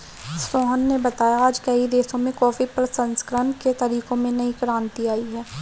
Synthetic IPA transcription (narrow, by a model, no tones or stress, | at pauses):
soːɦənːebɐt̪aːjaːd͡ʒkɐid̪eːsõmẽkɔːfipɾsɐ̃nskɾənket̪ɐɾiːkõmẽnɐɦĩkɾãːnt̪iaːiɦɛː